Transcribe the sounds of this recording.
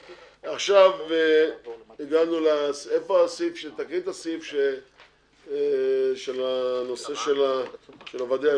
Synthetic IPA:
aχʃave | iɡanulasefoasifʃet̪akit̪asifʃe | ʃelano̞se̞ʃelaʃelavad̪e

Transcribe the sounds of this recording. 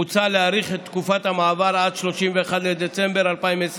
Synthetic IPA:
ut͡saleaʁiχett̪ːkufat̪hamaːvaɾad̪ʃlo̞ʃimveːχad̪led̪et͡se̞mbeɾalpaimvees

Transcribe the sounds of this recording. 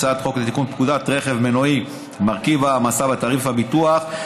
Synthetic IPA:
t͡sat̪χo̞klet̪ikunpkud̪at̪ʁeχevmenoi | maʁkivamasavat̪aʁifhabit̪uaχ

